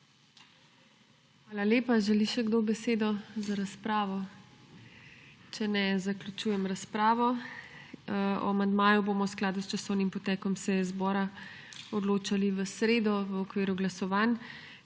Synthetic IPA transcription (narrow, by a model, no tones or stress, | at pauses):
xʋaːlaleːpaʒɛliʃɛɡd̪obɛseːd̪ɔzaɾaspɾaːʋɔ | t͡ʃɛnɛzaklʲut͡ʃuːjɛmɾaspɾaːʋɔ | ɔ̰mand̪maːjuboːmɔwsklaːd̪ust͡ʃasɔwnimpɔt̪ɛkɔmsɛjɛzbɔːɾa | ɔd̪loːt͡ʃaliʋəsɾeːd̪ɔʋəɔkʋiːɾuɡlasɔʋan